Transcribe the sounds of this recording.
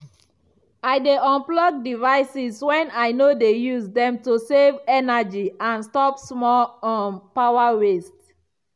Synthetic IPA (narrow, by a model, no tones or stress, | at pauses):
aɪdeɔ̃nplɔɡ̚divaɪsiswɛ̃naɪnodejusdɛ̃mtusevɛnad͡ʒiãnstɔpsmɔlɔ̃npawaɹest